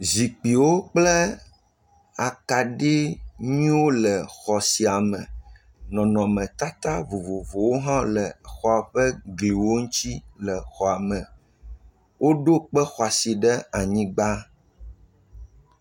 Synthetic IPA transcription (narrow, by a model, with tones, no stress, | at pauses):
zi˨k͡pi˨wo˦k͡plɛ˦ | a˨ka˨ɖi˦ɲĩ˦wo˦lɛ˨xɔ˨si˨a˨mɛ̃˨ | nɔ̃˨nɔ̃˨mɛ̃˨t̪a˦t̪a˦vo˨vo˨vo˨wo˦ɦã˦lɛ˨xɔ˨a˨ɸɛ˦ɡli˨wo˦ŋũ˦t͡ɕi˦lɛ˨xɔ˨a˨mɛ̃˨ | wo˦ɖo˦k͡pɛ˦xɔ˨a˨si˨ɖɛ˦a˨ɲĩ˦ɡ͡ba˦